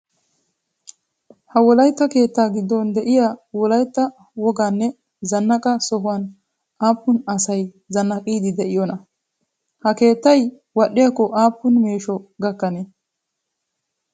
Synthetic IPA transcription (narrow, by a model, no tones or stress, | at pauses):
hɐwɔlɐjt̪ːɐke̞ːt̪ːaːɡɪd̪ːɔnd̪ɛʔɪjaːwɔlɐjt̪ːɐ | wɔɡaːnːɛ | zɐnːɐkʼɐsɔɦʊwan | ʔaːpːʊnɐsɐj | zɐnːɐkʼiːd̪ɪd̪ɛʔɪjɔnɐ | hɐke̞ːt̪ːɐj | wɐɗːɪjakːɔʔaːpːʊnme̞ːʃɔɡɐkːɐne